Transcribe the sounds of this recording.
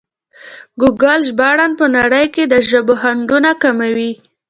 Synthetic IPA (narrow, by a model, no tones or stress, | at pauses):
ɡuɡalʒbɑɽanpənaɽəjked̪əʒəboɦaɳɖunakamawi